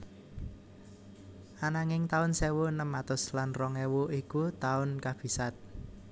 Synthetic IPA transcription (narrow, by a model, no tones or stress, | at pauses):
ʔanaŋɪŋt̪aʊnsewonəmat̪ʊslanrɔŋɛwoʔikut̪aʊnkab̥i̤sat̪̚